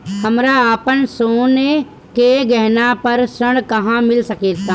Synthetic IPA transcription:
hɐmɾaəpənsoːne | keɡɐɦnapɐɾsəɽ̃kɐɦãmɪlsɐkeːt̪ʰaː

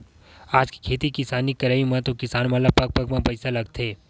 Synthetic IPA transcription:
aːd͡ʒki̥kʰeːt̪ikɪsaːnikɐɾaimɐ̃t̪okɪsaːnmɐləb̚pɐk̚pɐɡmɐ̃pɐɪsalɐɡt̪ʰeː

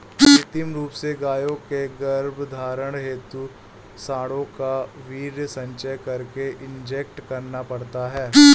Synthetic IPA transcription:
t̪ɪmɾuːpseɡaːjõkeɡəɐɾbʱd̪ʱaːɾəɽ̃ɦeːt̪u | saːɽõkaʋiːɾsɐ̃ɲt͡ʃəjkɐɾkeʔɪ̃ɲd͡ʒek̚ʈkɐɾnapɐɽt̪aɦɛː

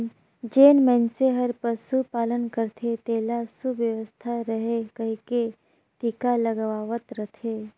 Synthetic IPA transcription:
d͡ʒeːnmɛ̃nseɦəɾpəsupaːlənkəɾt̪ʰet̪eːlasuʋjəʋəst̪ʰaɾəɦekəɦike | ʈikaləɡʋaːʋət̪ɾət̪ʰe

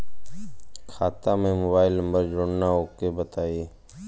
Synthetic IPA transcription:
kʰaːt̪amẽmoːbaːɪlnə̃mbəɾd͡ʒoːɳnaɦoːkebət̪aːiː

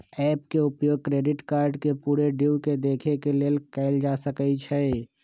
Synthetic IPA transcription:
ɛːpkeʊpjoːɡ̚kɾeːɖɪʈkaːɾɖkepuːɾeɖiwked̪eːkʰekeleːlkɛːɪld͡ʒaːsəkəit͡ʃʰɛ

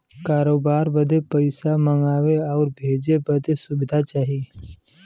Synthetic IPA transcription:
kaːɾoːbaːɾbəd̪ʱepəɪsaməŋɡaːʋeɔːɾbʱeːd͡ʒebəd̪ʱesʊbɪd̪ʱat͡ʃaːɦi

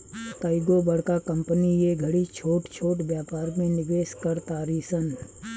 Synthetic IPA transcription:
t̪aːɪɡobɐɽ̤kakɐ̃mpənijeɡʱɐɽit͡ʃʰoːʈt͡ʃʰoːʈbjaːpaːɾmẽnɪʋeːskɐɾt̪aːɾiːsən

